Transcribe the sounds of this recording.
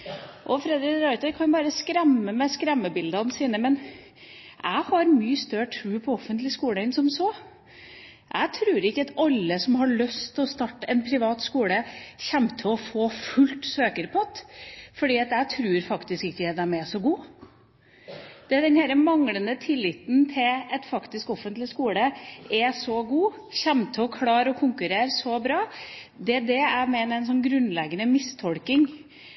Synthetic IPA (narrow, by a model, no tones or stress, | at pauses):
ʔɔfɾɛd̪ɾɪkɾɑʏt̪əɾkʰɑnbɑːɾəskɾɛmːəmɛskɾɛmːəbɪld̪ɑnsiːnəmɛn | ʔæɪhɑɾmyːəst̪œʈʰɾʉːpʰɔɔfːənt̪lɪskuːləɪnsɔmsoː | ʔæ̰ɪt̪ʰɾʉːɾɪkːəɑt̪ɑlːəsɔmɦɑɭœst̪ʰlɔst̪ɑʈːəɛnpʰɾɪʋɑːt̪skuːləçɛmt̪ʰlɔfoːfʉlt̪søːkəɾpʰɔɑt̪fɔɖiːɑt̪jæɪt̪ʰɾʉːɾfɑkt̪ɪskɪkːəɛd̪æmɛsɔɡuː | d̪̥ɛæd̪ɛnhæːɾəmɑŋlənət̪ʰɪlːɪt̪n̩t̪ʰɪlɛt̪fɑkt̪ɪskɔfənt̪lɪskuːləɛsɔɡuː | çɛmt̪ʰəɔkʰlɑːɾɔkʰʊŋkʉɾeːɾsɔbɾɑː | d̪ɛd̪ɛæmeːnəɛɪnsɔnɡɾʉnlɛɡənəmɪst̪ʰɔlkɪŋ